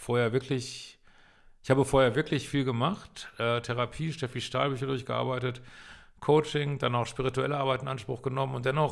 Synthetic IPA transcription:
foːɐheːɐvɪɐklɪç | ʔɪçhaːbəfoːɐheːɐvɪɐklɪçfiːlɡəmaχtʔɛːtʰɛʁapʰiːʃtɛfiʃta̰ːlbyːçɐdʊɐçɡ̥əʔa̰ɐbaɪtət | kʰoʊt͡ʃɪŋd̥anaʊxʃpiʁituɛləʔaɐbaɪtɪnʔanʃpʁ̥ʊxɡ̥ənɔmənʊntd̥ɛnɔχ

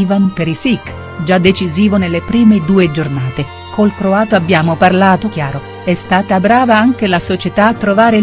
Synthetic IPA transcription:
vanpeɾisik | d͡ʒad̪ːet͡ʃiziːvonelːepɾiːmed̪uːed͡ʒornaːt̪e | kʰolkɾoaːt̪oabjaːmoparlaːt̪ok̟jaːɾo | ɛst̪aːt̪abɾaːvaaŋk̟elasot͡ʃet̪aːt̪ːɾovaːɾe

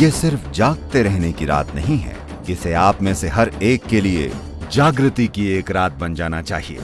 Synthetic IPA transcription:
jesɪɾfd͡ʒaːɡ̚t̪eɾɛɦnekiɾa̰ːt̪nɐɦĩɦɛ̰̃ː | ɪseaːpmẽseɦɐɾeːkːeliḛ | d͡ʒaːɡɾət̪ikieːkɾaːt̪̚bɐ̃nd͡ʒaːnat͡ʃa̰ːɦiḛː

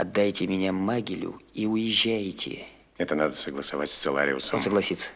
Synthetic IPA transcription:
ɐd̪ːajtʲɪmʲɪnʲamːaɡʲɪlʲʊ̰iʊjɪʑːæjtʲʰɪ̰ | ɛt̪ənad̪əsəɡlˠəsɐvatʲsʲt̪sɨlˠa̰ɾʲɪ̰ʊsəonsəɡlˠɐsʲit̪sːə̥

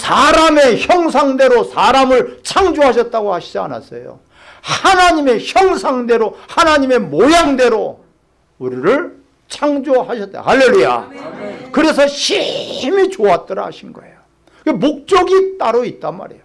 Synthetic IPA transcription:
sʰaɾame̞çjʌŋsʰaŋde̞ɾosʰaɾamɯɭt͡ɕʰaŋd͡ʑoɦaɕʰʌt̚t͈aɡohaɕʰid͡ʑia̰na̰s͈ʌjo̰ | hanaɲime̞çjʌŋsʰaŋde̞ɾohanaɲime̞mojaŋde̞ɾo | uɾiɾɯɭ | t͡ɕʰaŋd͡ʑoɦaɕʰʌt͈̚a̰haɭːe̞ɭːuja̰ | kɯɾe̞sʰʌɕʰimit͡ɕoat̚t͈ʌɾahaɕʰinɡʌejo | kemok̚t͡ɕ͈ʌɡit͈aɾoit̚t͈anma̰ɾḛjo

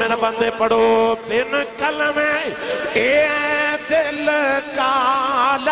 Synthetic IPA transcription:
enɐpɐnd̪epːɐɽopenɨkɐlɐme | e | t̪elkaːl

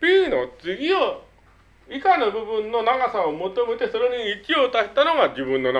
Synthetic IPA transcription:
b̥ʲiːno̞t͡sɨɡʲio | ikanɯbɯ̟bɯ̟̃nːo̞naɡasaomot̪o̞me̞t̪e̞soɾe̞ɲiːt͡ɕio̞t̪aet̪ːano̞ɡad͡ʑibɯ̟̃nːo̞n

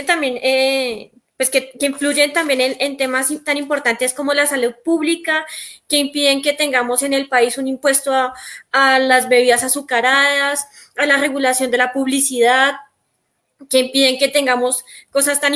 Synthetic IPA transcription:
t̪ambjene | pwe̞skekeiɱflud͡ʒe̞nt̪ambje̞nenent̪e̞masit̪animpo̞ɾt̪ant̪e̞sko̞mo̞lasaluð̚puβlikake̞impiðe̞ŋke̞t̪e̞ŋɡamo̞se̞ne̞lpaisunimpwe̞st̪oaalazbe̞βiðasasukaɾaðas | alare̞ɣulasjo̞nd̪e̞lapuβlisiðað | ke̞impiðe̞ŋke̞t̪e̞ŋɡamo̞sko̞sast̪an

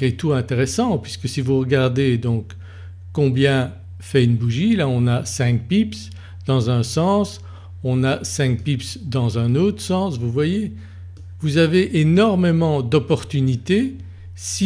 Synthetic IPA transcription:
et̪uɛ̃t̪eʁɛsɑ̃pɥiskəsivuʁəɡaʁd̪ed̪ɔ̃kː | ɔ̃bjɛ̃ | fɛynbuʒilaɔ̃nasɛ̃k̚pips | d̪̥ɑ̃zɛ̃sɑ̃s | ɔ̃nasɛ̃k̚pipsd̪ɑ̃zɛ̃not̪χə̥sɑ̃svuvwaje | vuzaveʔenɔʁmemɑ̃d̪ɔpɔʁt̪ynit̪e | si

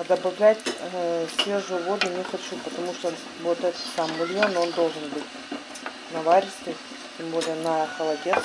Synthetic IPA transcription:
ɐd̪ɐbɐvlʲætʲsʲeʐɨvod̪ɨnʲɪxɐt͡ɕupət̪ɐmuʂt̪o | vot̪ɛt̪ə̥t̪samːɨlʲjono̞nd̪o̞lˠʐɨnbɨtʲ | nɐvaɾʲɪst̪ɨ | tʲɪmbo̞lʲɪjənɐxɐlˠɐdʲe

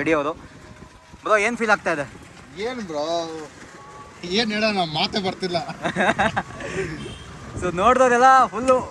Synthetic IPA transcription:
eɽijɐʋɾu | bɾoeːnpʰiːlaːɡ̚t̪ajd̪e | eːnbɾo | eːneːɽanamaːt̪ebɐɾt̪ilːɐ | sonoːɽd̪oːd̪ɛlːɐpulːu

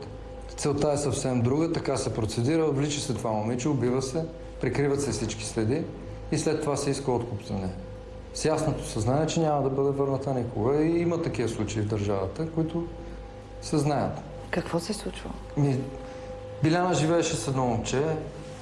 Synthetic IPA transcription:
t̪sɛlˠt̪aɛsɐfsɛmd̪ɾuɡət̪ɐkasɛpɾot̪sɛd̪iɾəvlit͡ʃɛsɛt̪ovamomit͡ʃɛʊbivəsɛ | pɾikɾivət̪sɛfsit͡ʃki̥sɾɛd̪iː | slɛt̪ːovasɛiskəot̪kupzɐnɛ | sjasnot̪o̥sɛznaɛt͡ʃɛnʲamɐd̪ɐbɤd̪ɛvɤɾnət̪ənikʊɡəiimət̪ɐk̟ivəslˠut͡ʃɐivd̪ɐɾʒavət̪əkʊit̪ʊ | sɛznajət̪ | kɐkvɔsɛslˠut͡ʃvə̰ | mi | bilʲanəʒivɛːʃɛsɛd̪nɔomt͡ʃɛ

